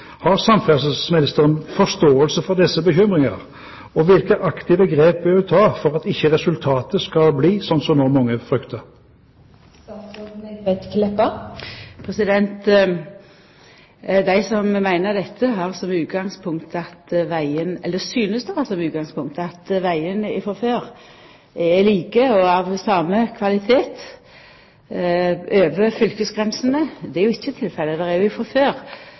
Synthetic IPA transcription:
hɑʁsɑmfɛsəsmɪnɪst̪əʁənfɔst̪oːəlsəfɔʁd̪ɛsːəbəçʏmʁɪŋɑ̰ʁ | ɔʋɪlkəʔɑkt̪ɪʋəɡɾeːp̚bɛɪt̪ʰɑːfɔʁɑt̪ɪçːəʁɛsʉlt̪ʰɑːt̪əskɑlbliːsɔnsɔmnɔʁmɑŋːəfʁʏkt̪ʰəʁ | ɛt̪kʰlɛpə | pʰʁɛsɪd̪ɛnt̪ | d̪æɪsɔmmæɪnəʁd̪ɛt̪ʰːəɦɑʁsɔmʉːt̪ɡɑŋspʰʊŋkt̪ɑt̪ʋæɪənɛlːəsyːnəsd̪ɛhɑsɔmʉːt̪̚ɡɑŋspʊŋk̚t̪ɑt̪ʋæɪənɪ̰fɔføːʁ | ɛliːkəɔɑʋsɑːməkʰʋɑlɪt̪ʰeːt̪ | øːʋəfʏlkəsɡʁɛnsənəd̪ɛæɾjʊɪçːət̪ʰːɪlfɛlːəd̪ɛʁɛɾjʊɪfɔɾføːʁ

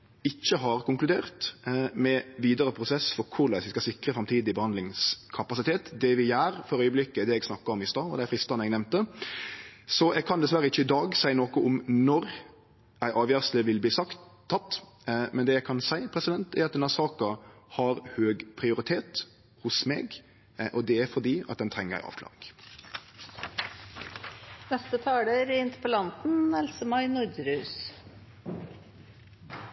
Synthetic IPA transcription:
ɪc͡çːəɦɑʁkʊŋklʉd̪eːʁt̪mɛʋiːd̪əɾəpʰɾʊsɛsfɔɾkʰʊɾlæsɪskɑsɪkɾəfɾɑmt̪ʰiːd̪ɪbəhɑnd̪lɪŋskʰɑpɑsɪt̪ʰeːt̪d̪ɛʋɪjæːɾfɔɾœʏəblɪkːəd̪ɛɛɡsnɑkːɑɔmɪst̪ɑːɔ̰d̪ɛæɾfɾɪst̪ɑnɛɡnɛmt̪ə | sɔʔɛɡ̚kʰɑnd̪ɛsʋæɾəɪçːəɪd̪ɑːɡsæɪnoːkəʔʊmnɔɾ | æɪʔɑːʋjæːʁsləʋɪlbliːsɑk̪ʰː | ɑt̪ː | mɛnd̪ɛːjæɪkʰɑnsæɪpʰɾɛsɪd̪ɛnt̪ɛɾɑt̪̚ɛnɑsɑːkɑhɑɾhøːɡpʰɾɪʊɾɪt̪ʰeːt̪ | hʊsmḛːɡ | ʔɔd̪ɛæɾfɔʁd̪iːɑ̰t̪̚d̪ɛnt̪ʰɾɛŋːəʁæ̰ɪɑ̰ːʋkʰlɑ̰ːʁɪŋ | nɛst̪ət̪ʰɑːɖeːɾɪnt̪ə̥pəlɑnt̪n̩ɛlsəmɑɪnʊɾd̪ɾʉːs

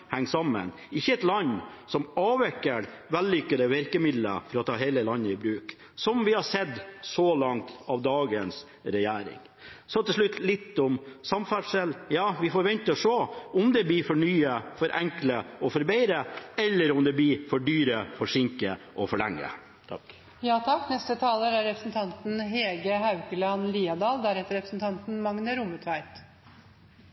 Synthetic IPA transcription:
hæŋːsɑmːə̰n | ɪçːəɛt̪lɑnːsɔmɑːʋɛkːəɾ | ʋɛlːʏkːəɾəʋɪɾkəmɪd̪lə̰fɔɾɔt̪ʰɑːɦeɪləlɑnːəɪbɾʉːk | sɔmʋɪhɑsɛd̪ːsɔlɑŋt̪ɑʋd̪ɑːɡəns | ɾɛjæːɾɪ̰ŋ | sɔt̪ʰɛʂɭʉt̪ːlɪt̪ːʊmsɑmfæɖʂəljɑːʋɪfɔɾʋɛnt̪əɔʂoːʊmd̪ɛbliɾfɔɳyːəfɔɾʔɛŋkləɔfɔɾbɛɪɾəɛlːəɾʊmd̪ɛbliːfɔɖyːɾəfɔʂɪŋkəʔɔfɔɭɛŋːə̰ | t̪ʰɑ | jɑːt̪ʰɑkːnɛst̪ət̪ʰɑːləɾæɾːɛpɾəsnt̪ʰɑnt̪n̩ɦeːɡəhɑʉkəlɑnliːɑd̪ɑːld̪æɾhɛt̪ːəɾɛpɾəsn̩t̪ʰɑnt̪n̩mɑŋnəɾuːmət̪ʰʋæɪt̪

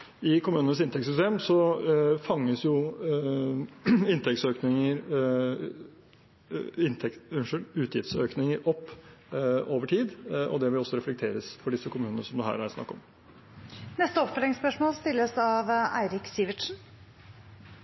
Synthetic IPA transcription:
ɪkʰʊmʉːnənəsɪnt̪ʰɛkt̪sʏst̪eːmsɔfɑŋːəsjʊ | ɪnt̪ʰɛk̚t̪søːknɪŋəɾ | ɪnt̪ʰɛkʂənʉːt̪jɪft̪søːknɪŋəɾʔɔpː | ʔoːʋəʈʰiːd̪ʔɔ̰d̪ɛʋɪlɔsːɔɾɛflɛk̚t̪ʰeːɾəsfɔɖɪsːəkʊmʉːnənəsɔmd̪ʉɦæ̰ːɾæɾsnɑ̰kːɔ̰m | nɛst̪əɔpfœlɪŋspœʂmoːlst̪ɪlːəsɑʋæ̰ɪɾɪksiːʋɪʈʂn̩

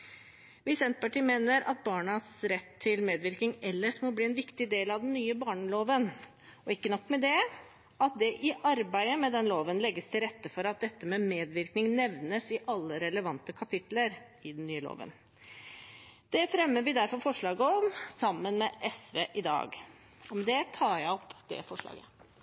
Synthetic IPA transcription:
ʋɪsɛnt̪pɑʈiːmeːnəɾɑ̰t̪̚bɑːɳɑsɾɛt̪ʰːɪlmeːd̪ʋɪɾknɪŋɛlːəʂmɔbliːɛnʋɪkt̪ɪd̪eːlɑʋd̪ɛnnyːəbɑːɳəloːʋən | ɔɪkːənɔkːmɛd̪ɛ | ɑt̪̚d̪ɛʔɪʔɑɾbæɪəmɛd̪ɛnloːʋənlɛɡːəst̪ʰɪlɾɛt̪ːəfɔɾɑt̪̚d̪ɛt̪ːəmɛmeːd̪ʋɪɾknɪŋnɛʋnəsɪʔɑlːəɾɛləʋɑnt̪əkʰɑpʰɪt̪ləɾ | ɪd̪ɛnnːyːəlo̰ːʋə̰n | d̪̥ɛfɾɛmːəʋɪd̪æɾfɔɾfɔʂɭɑːɡəɔmsɑmːənmɛʔɛsʋeːʔɪd̪ɑ̰ːɡ | ɔmd̪ɛt̪ʰɑːɾjæɪɔpd̪̥ɛ̰fɔʂɭɑ̰ːɡə

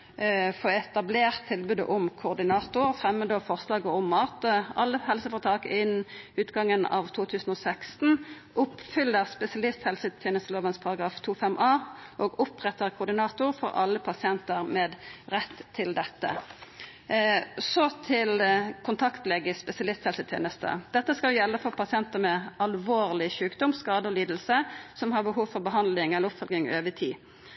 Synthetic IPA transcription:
foːɛt̪ɑbleːʁt̪ʰːɪlbʉːd̪ə̰ʔʊmkʰʊʁd̪ɪnɑːt̪ʊʁfʁɛmːəd̪oːfɔʁslɑːɡəɔmːɑt̪əɑlːəɦɛlsəfɔʁt̪ʰɑːkɪnʉːt̪ɡɑŋːənɑ̰ːʋt̪ʰuːt̪ʰʉːsn̩oːsækst̪n̩ | ʔʊpfʏlːəʁspɛsɪɑlɪst̪hɛlsət̪ʰɛːnəsloːʋənspʰɑɾɑɡɾɑːft̪ʰuːfɛmʔɑːʔoːɡʊpʁɛt̪əʁkʰʊʁd̪ɪnɑːt̪ʊʁfɔʁɑ̰lːəpʰɑsɪɛnt̪əʁmɛːd̪ʁɛt̪ʰːɪld̪ɛt̪ːə̰ | sɔt̪ʰɪlkʰʊnt̪ʰɑkt̪lɛɡəspɛsɪɑlɪst̪hɛlsət̪ʰjḛːnəst̪ə̰d̪̥ɛt̪ːəskɑljɛlːəfɔʁpʰɑsɪɛnt̪əmɛɑlʋoːʁlɪçʉːkd̪ɔmskɑːd̪əɔliːd̪l̩səsɔmhɑʁbəɦuːʋfɔʁbəɦɑnd̪lɪŋɛləɾʊpfɔlɡɪŋøːʋət̪ʰiː

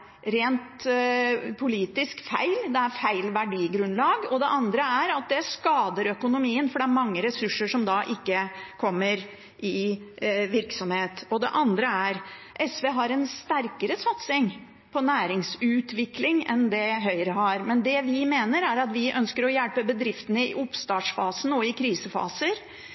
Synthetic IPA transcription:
ɾeːnt̪ | pʰʊliːt̪ɪskfæ̰ɪld̪ɛæɾfæɪlʋæɖiːɡɾʉnlɑːɡɔd̪ɛʔɑnd̪ɾəæɾɑt̪̚d̪ɛskɑːd̪əɾœkʊnʊmiːənfɔɖɛæɾmɑŋːəɾɛsʉʂːəʂɔmd̪ɑʔɪkːəkʰɔmːəɾ | ʔɪ | ʋɪɾksɔmheːt̪ɔd̪ɛ̰ʔɑnd̪ɾəæɾ | ʔɛsʋeːɦɑɾɛnst̪æɾkəɾəsɑt̪sɪŋ | pʰɔnæːɾɪŋsʉːt̪ʋɪklɪŋɛ̰nd̪ɛɦœʏɾəɦɑɾmɛnd̪ɛʋɪmeːnəɾæɾɑt̪ʋɪʔœnskəɾɔjɛlpəbəd̪ɾɪft̪ənəɪ̰ʔʊpst̪ɑːʈ̪ʂfɑːsən̩ɔɪkʰɾiːsəfɑ̰ːsəɾ

